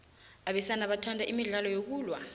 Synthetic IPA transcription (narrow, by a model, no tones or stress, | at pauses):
aɓɛsanaɓatʰandʱaʔimiɮalɔjok̬uːlwa